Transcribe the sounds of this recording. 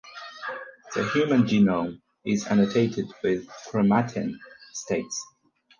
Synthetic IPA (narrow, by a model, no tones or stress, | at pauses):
ðəɦjʉːmə̃nd͡ʒinõʊm | ɪza̰nətʰeɪtʰɪdwɪð̥kʰɹ̥əmatʰɪ̰̃nsteɪts